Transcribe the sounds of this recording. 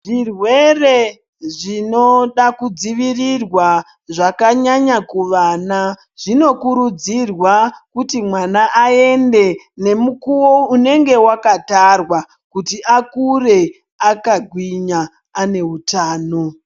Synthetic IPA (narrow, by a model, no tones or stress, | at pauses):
ʐirwe̞re̞ | ʐino̞ɗakud͡ziʋirirwa | ʐakaɲaɲakuʋaːna | ʐ̥ino̞kuɾud͡zirwakutimwanaʔːe̞nde̞ | ne̞mukuwoune̞ŋɡe̞wakatarwa | kutiʔakure̞ | akaɡʱwiɲaː | ne̞ɦutaːno̞